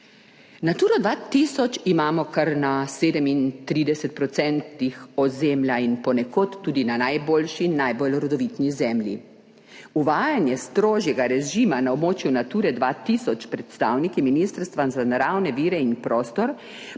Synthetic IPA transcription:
nat̪uːɾɔd̪ʋaːt̪isɔt͡ʃimaːmɔkaɾnaseːd̪ɛmint̪ɾiːd̪ɛsɛt̪̚pɾɔt̪sɛnt̪nixɔzemljainpɔnɛkoːt̪ːuːd̪inanajboːlʃinːajbɔlɾɔd̪ɔʋit̪nizɛmlʲjḭ | uʋaːjanjɛst̪ɾoːʒjɛɡaɾɛʒimanaobmoːt͡ʃjunat̪uːɾɛd̪ʋat̪isɔt͡ʃpɾɛt̪st̪awnikiminist̪ɾst̪ʋazanaɾawnɛʋiːɾɛinpɾoːst̪ɔɾ

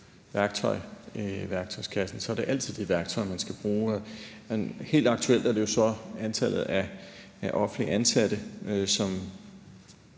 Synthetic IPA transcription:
ʋæɐɡ̥̚t͡sʰɒɪʋæɐɡ̥t͡sʰɒ̽ɪskʰæsn̩sɒ̽æɐɾe̝ʔæl̰t͡sʰið̰ˠd̥iʋæɐɡ̥̚t͡sʰɒ̽ɪmænsɡ̥æb̥ʁuː | he̝̰ːld̥ɑ̈ɡ̥t͡sʰuel̰d̥æɐɾ̥e̝jo̝sɒ̽ænt͡sʰæl̰ð̞̩ˠæ | æʔɒ̽fn̩liʔænsæd̥əøsɒ̽m

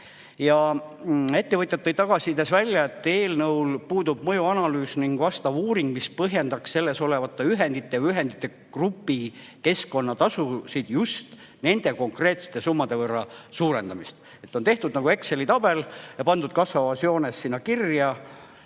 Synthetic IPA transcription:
jɑ | e̞t̪ːe̞vɤt̪jɑt̪ːejt̪ɑɡ̥ɑsid̪e̞svælʲjɑe̞t̪ːˑe̞ːlnɤwlpuːd̪ub̥̚mɤjuɑnɑlyːsniŋɡ̥vɑst̪ɑvuːɾiŋɡ̥̚mispɤɦje̞nd̪ɑksse̞lːe̞so̞le̞vɑt̪ːˑeyɦe̞nd̪̥it̪ːˑejɑyɦe̞nd̪it̪ːˑe̞ | krupːi | ke̞sko̞nːɑt̪ɑsusid̪̥just̪ | ne̞nd̪̥e̞ko̞ŋkre̞ːt̪se̥t̪ːˑe̞sumːɑd̪̥e̞vɤrːɑsuːɾe̞nd̪ɑmist̪ | e̞t̪ːˑo̞nt̪e̞ht̪ud̪̥nɑɡue̞kse̞lit̪ɑb̥e̞ljɑpɑnd̪ud̪̥̚kɑsvɑvɑsjo̞ːnesːinːɑkirjɑ

